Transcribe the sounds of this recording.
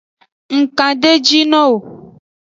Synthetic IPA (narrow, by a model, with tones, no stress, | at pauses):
ŋ̩˨kã˨ɖe˦d͡ʒi˦nɔ̃˦wo˨